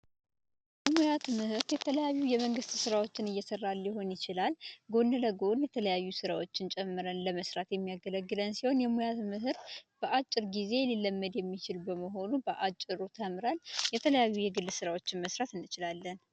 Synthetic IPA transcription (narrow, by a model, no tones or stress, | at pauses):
jɛmujat̪mɨhɨɾt̪jɛt̪ʰələjajːujɛməŋɡɨst̪sɨɾawo̞t͡ʃːɪnɨjːɛsərːaljɪɦo̞njɪt͡ʃɪlalɡo̞nːələɡo̞njɛt̪ʰələjajːusɨɾawot͡ʃːɪnt͡ʃʼɛmːɨɾənləməsɾat̪jɛmːijaɡələɡːɨlənsiho̞njɛmujat̪mɨɦɨɾb̥əʔat͡ʃʼːɪɾɡize̞lilːəmːəd̪jɛmːit͡ʃɪlbəməɦo̞nubəʔat͡ʃʼːɪɾut̪ʰəmɾaljɛt̪ʰələjajːujɛɡɨlːsɨɾawo̞t͡ʃːɪnməsɾat̪ɨnːɨt͡ʃɪlalːən